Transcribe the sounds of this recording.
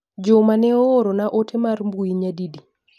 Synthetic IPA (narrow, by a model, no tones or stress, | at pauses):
d͡ʒomanɛoɾonaʔotʰemarmbuiɲadidi